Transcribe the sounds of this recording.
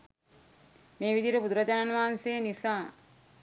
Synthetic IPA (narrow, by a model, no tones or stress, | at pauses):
meːʋid̪iɾəpud̪uɾɐd͡ʒ̪ananuʋaɦansejənisaː